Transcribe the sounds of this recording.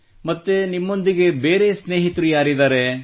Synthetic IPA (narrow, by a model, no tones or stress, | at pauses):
mɐt̪ːenimːo̞nd̪iɡe̞be̞ːɾesneːɦit̪ɾujaːɾid̪aːɾe